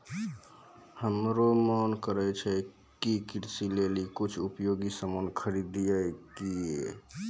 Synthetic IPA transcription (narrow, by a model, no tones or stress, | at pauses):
həmɾomɔnkəɾɛt͡ʃʰɛ | kikiɾsilelikut͡ʃʰupjoɡisəmənkʰəɾid̪ijəjkie